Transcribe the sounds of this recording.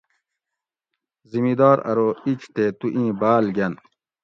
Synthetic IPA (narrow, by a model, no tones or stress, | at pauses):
zimid̪aːɾɐ̰ɾoːit͡ɕt̪eːt̪uʔĩːbaːlɡʲɐn